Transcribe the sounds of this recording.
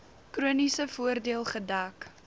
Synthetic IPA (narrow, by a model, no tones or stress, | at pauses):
kɾuənisəfuərdiəlˠχədɐːk